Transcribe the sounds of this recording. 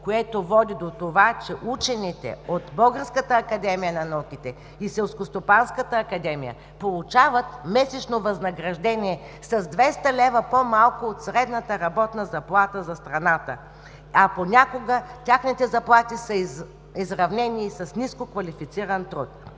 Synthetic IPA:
koɛt̪ovɔd̪id̪ot̪ovat͡ʃɛʔut͡ʃɛnit̪ɛ̰ot̪bəlˠɡəɾskət̪əːkɐd̪ɛmijənɐnɐukʲit̪ɛ | isɛlˠskost̪opanskət̪əːkɐd̪ɛmijə̰ | polˠut͡ʃavət̪̚mɛsɛt͡ʃnovɐznɐɡɾɐʒd̪ɛnʲiɛ | sɐzd̪vɛst̪əlʲɛvəpomalˠkoot̪sɾɛd̪nət̪əɾɐbɔt̪nəzɐplˠat̪əzɐst̪ɾɐnat̪ə | ɐponʲakoɡətʲaxnit̪ɛzɐplˠat̪isəi | izɾɐvnɛnisɐsniskokvɐlʲifit̪siɾənt̪ɾut̪̚

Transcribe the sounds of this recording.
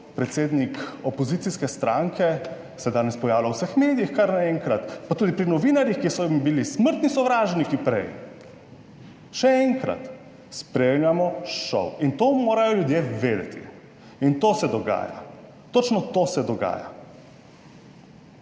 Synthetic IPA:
pɾɛt̪seːd̪nikɔpɔzit̪siskɛst̪ɾaŋkɛ | sɛd̪aːnɛspɔjaːwlawsəxmeːd̪ijixkaɾnaɛŋkɾat̪pat̪ud̪ipɾinɔʋinaɾjixkisɔimbilisməɾt̪nisɔʋɾaːʒnikipɾɛ̰j | ʃɛɛŋkɾa̰t̪ | spɾemlʲamɔʃɔ̰wint̪oːmoːɾajɔljud̪jeʋeːd̪ɛ̰t̪ʰḭ | int̪osɛd̪ɔɡa̰ːja̰ | t̪ot͡ʃnɔt̪oːsɛd̪ɔɡa̰ːja̰

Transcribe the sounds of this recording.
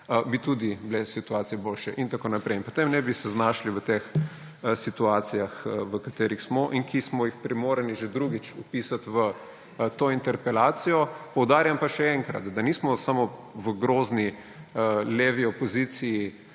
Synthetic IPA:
bit̪ud̪iblɛsit̪uaːt̪sijɛboːlʃɛʔint̪akoːnapɾɛjinpo̥t̪emnɛbisɛznaːʃliʋət̪ex | sit̪uaːt̪sijaxʋəkat̪eːɾixsmɔʔiŋkismɔjixpɾimoːɾəniʒed̪ɾuɡit͡ʃupiːsat̪ʋə | t̪oːint̪ɛɾpɛlaːt̪sijɔpɔwd̪aːɾjampaʃɛɛŋkɾɐ̰t̪d̪aniːsmɔsamɔʋəɡɾoːzni | əleʋiɔpɔzit̪siji

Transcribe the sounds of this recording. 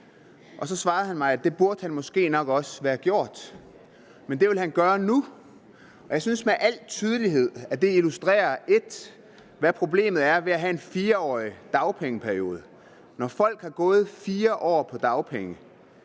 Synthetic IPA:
ʔɒ̽sɒ̽sʋɑ̈ːð̩ˠhænmɑ̈ɪæd̥e̝b̥uɐd̥hænmɒ̽sɡ̥e̝̰ːnɒ̽ɡ̥ɒ̽səʋæːɐɡ̥jo̝ɐ̰d̥ | mend̥e̝ʋe̝lɦænɡ̥ɶːɐnu | ɒjɑ̈ɪsynsmeʔæl̰t͡sʰyːð̞ˠəliɦe̝ð̞̰ˠæd̥e̝ilusd̥ʁɛ̰ːɐe̝d̥ | ʋæpʰʁo̝b̥le̝̰ːmð̩ˠæɐʋe̝æɦæe̝nfiːɐɒ̰ːid̥ɑ̈ʊpʰeŋəpʰæɐjo̝̰ːð̞̩ˠə | nɒfɒ̽l̰ɡ̥hɑ̈ɡ̥ɔ̽ːð̞̩ˠfiːɐʔɒ̰ːpʰɒ̽d̥ɑ̈ʊpʰeŋə

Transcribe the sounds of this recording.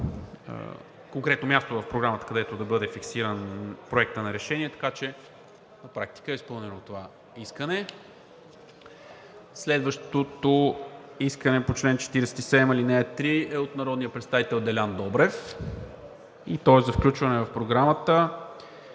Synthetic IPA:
koŋkɾɛt̪nomʲjast̪ovɐfpɾoɡɾamət̪ə̥kɐd̪ɛt̪od̪ɐbɤd̪ɛfiksiɾənpɾoɛk̚t̪ənɐɾɛʃɛniɛt̪ɐ̥kat͡ʃɛ | nɐpɾak̚t̪i̥kəɛispɤlˠnɛnot̪ova | iskənɛ | slɛd̪vəʃt̪ot̪oiskənɛpot͡ʃlɛnt͡ʃɛ̥t̪iɾɛsɛ̥t̪isɛd̪ɛmilinɛɛt̪ːɾiɛot̪nɐɾɔd̪nijəpɾɛt̪st̪avit̪ɛlˠd̪ɛlʲand̪ɔbɾɛf | it̪ɔɛszɐfklʲut͡ʃvɐnɛvəfpɾoɡɾamət̪ə

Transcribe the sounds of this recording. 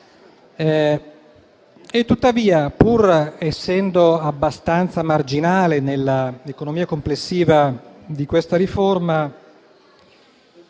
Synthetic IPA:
et̪ːut̪ːaviːapurɛsːɛnd̪oabːast̪ant̪samard͡ʒinaːlenelːaekonomiːakomplesːiːvad̪ikwest̪aɾiforma

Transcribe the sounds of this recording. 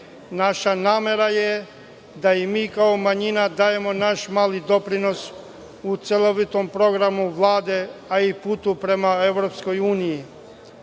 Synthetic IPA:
naʃanaːme̞ɾaje | d̪aimiːkaomaɲinad̪aːje̞mo̞naʃmaːlid̪o̞pɾino̞s | ut̪seloʋit̪o̞mpɾo̞ɡɾamuʋlˠaːd̪e̞aiput̪upɾe̞mae̞ʋɾo̞psko̞juːniji

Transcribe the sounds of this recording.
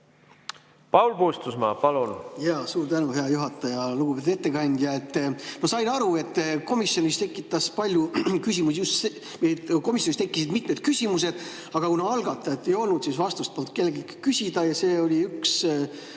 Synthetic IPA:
pɑwlpust̪usmɑ̰pɑlunjɑːsuːɾt̪ænuɦe̞ɑjuɦɑt̪ːˑɑjɑluɡupe̞t̪u̥e̞t̪ːekɑnʲd̪̥jɑe̞t̪ːmɑsɑjnɑɾue̞t̪ːˑko̞misjo̞nʲist̪e̞kːˑit̪ːˑɑspɑlʲjukysʲimusijust̪se | meko̞misjonist̪e̞kˑːisid̪mit̪ˑmed̪̥̚kysʲimuse̞d̪̥ | ɑɡ̥ɑkunɑɑlɡɑt̪ːˑɑet̪ːe̞jo̞lnud̪sisvɑst̪ust̪̚pont̪ke̞lːeɡikkysʲid̪̥ɑjɑse̞ːo̞lʲiyks

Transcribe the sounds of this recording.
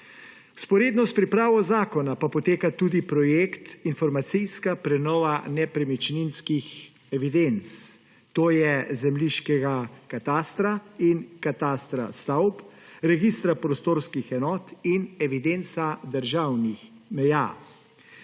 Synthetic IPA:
uspɔɾeːd̪nɔspɾipɾaːʋɔzaːkɔnapapɔt̪eːkat̪uːd̪ipɾɔjekt̪infɔɾmat̪sijskapɾɛnɔːʋanɛpɾɛmit͡ʃninskix | ɛʋid̪ent̪s | t̪oːjɛzɛmliʃkɛɡakat̪aːst̪ɾainkat̪aːst̪ɾa̰st̪awpɾɛɡist̪ɾapɾɔst̪oːɾskixɛnɔːt̪inɛʋid̪ent̪sad̪əɾʒawnixmɛja̰ː

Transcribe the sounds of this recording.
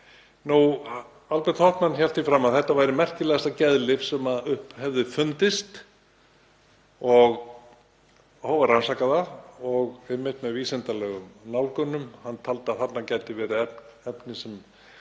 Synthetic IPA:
nu | alpɛɾt̪ʰɔht̪manːçɛl̥t̪ifɾaːmːaðθɛht̪ːavaːjɾɪmɛr̥cɪlɛɣast̪acɛðlɪfsɛmaðʏhphɛvðɪfʏnt̪ɪst̪ | ɔɣ | howvaɾransaːkaðaɾɔɣɛmːɪht̪mɛðviːsɛnt̪alɛːɣʏmnawlkʏnːʏmhant̪ʰalt̪ɪaðθat̪nacɛjt̪ɪvɛːɾɪɛp̪ɛpnɪsɛm

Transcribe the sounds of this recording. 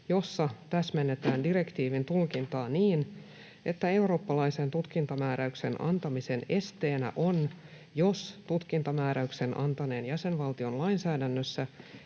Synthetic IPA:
jo̞sːɑt̪æsmenːet̪æːndire̞kt̪iːʋint̪ulkint̪ɑːniːn | e̞t̪ːæe̞uro̞ːpːɑlɑisent̪ut̪kint̪ɑmæːɾæykse̞nʔɑ̰nt̪ɑmise̞ne̞st̪e̞ːnæ̰ʔo̞n | jo̞st̪ut̪kint̪ɑmæːɾæykse̞nʔɑnt̪ɑne̞ːnjæsenʋɑlt̪io̞nlɑinsæːdænːøsːæ

